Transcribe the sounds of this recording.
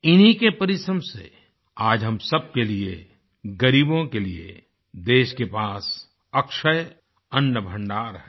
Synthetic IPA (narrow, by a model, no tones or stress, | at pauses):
ɪnɦikepɐɾɪsɾəmsḛ | aːd͡ʒɦɐmsɐb̚kelie | ɡɐɾiːbõkeliḛ | d̪eːʃkepaːs | ɐkʃəj | ɐnːəbʱɐ̃ɳɖaːɾɦɛː